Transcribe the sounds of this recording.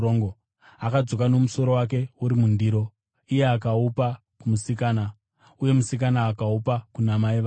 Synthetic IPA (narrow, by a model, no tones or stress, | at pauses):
ŋɡo | akad͡zo̞kano̞muso̞ɾo̞wak̬e̞uɾimundiːɾo̞ | ije̞akaupa | kumusikaːna | uje̞musik̬anaːkaupakunamaiʋa